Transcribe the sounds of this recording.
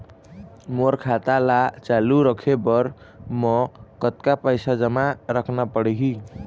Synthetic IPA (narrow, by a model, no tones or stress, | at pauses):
moɾkʰat̪alat͡ʃaluɾəkʰebəɾ | mɔkət̪kapəjsad͡ʒəmaɾəkʰnapəɽeɦi